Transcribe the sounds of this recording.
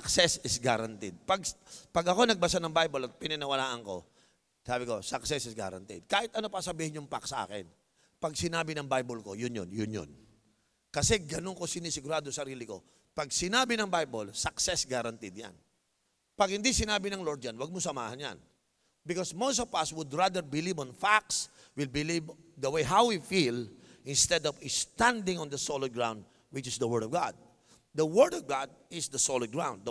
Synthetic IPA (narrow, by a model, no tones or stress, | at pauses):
ɐksɛsɪsɡaɾant̪ɪd̪̚pɐɡspɐɡɐko̞nɐɡ̚bɐsanɐŋbajbolɐt̪̚pɪnɐnɪwɐlaːʔɐŋko̞̰ | saːbɪko̞sɐksɛsɪsɡa̰ɾɐ̰nt̪ḭd̪̚kaːhɪt̪ʔɐno̞pɐsɐbiːhɪnjʊŋpaksɐʔa̰ːkɛ̰n | pɐɡsɪnaːbɪnɐŋbajbolko̞jʊnjo̰njʊnjo̰n | kɐsɛɡɐnoŋko̞sɪnisɪɡʊɾaːd̪osɐɾiːlɪko̞̰ | pɐɡ̚sɪnaːbɪnɐŋbajbolsɐksɛsɡaɾɐnt̪id̪̚ja̰n | pɐɡ̚hɪnd̪isɪnaːbɪnɐŋloɹd̪̚d͡ʒanwɐɡ̚mʊsɐma̰ːhɐnja̰n | bɪkɔsmowsɔvɐswʊd̪ɹad̪əɹbɪlivɔnfak̚s | wɪlbɪlivd̪ɐwejɦawwifilʔɪnst̪ɛd̪ɔvɪst̪ãnd̪ɪ̃ŋɔ̃nd̪ɐsolɐd̪̚ɡɹãwnd̪̚ | wɪt͡ʃɪsd̪ɐwɛɹdɔvɡa̰d̪̚ | d̪ɐwɛɹd̪ɔvɡad̪̚ɪsd̪ɐsolɐd̪̚ɡɹã̰wnd̪̚